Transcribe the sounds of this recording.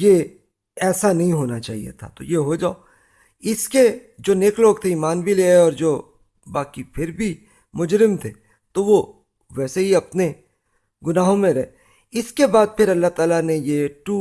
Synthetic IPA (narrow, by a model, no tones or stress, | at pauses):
je | ɛːsanɐɦĩɦoːnat͡ʃa̰ːɦḭḛt̪ʰa̰t̪o̰jeɦod͡ʒaːo | ɪske | d͡ʒoːneːkloːɡt̪ʰeiːmaːnbʱileːeɔːɾd͡ʒoː | baːkipʰɪɾbʱi | mʊd͡ʒɾɪmt̪ʰeː | t̪oʋo | ʋɛːseɦiɐpne | ɡʊnaːɦõmẽɾɐɦe | ɪskebaːd̪̚pʰɪɾɐlːaɦt̪aːlanejeʈuː